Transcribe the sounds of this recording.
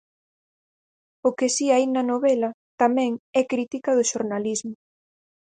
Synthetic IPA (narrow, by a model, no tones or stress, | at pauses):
ʊkɪsiainɐnoβɛlɐt̪amɛ̃ŋɛkɾit̪ikɐð̞ʊʃoɾnalizmʊ